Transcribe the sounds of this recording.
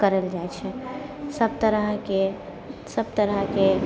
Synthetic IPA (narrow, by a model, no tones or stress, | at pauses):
kəɾəld͡ʒaet͡ʃʰɛsəb̚t̪əɾəɦke | səb̚t̪əɾəɦke